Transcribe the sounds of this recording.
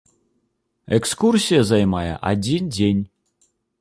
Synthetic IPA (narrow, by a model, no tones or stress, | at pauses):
ɛkskursʲijɐzajmajɛ̰ʔa̰d͡zʲind͡zʲenʲ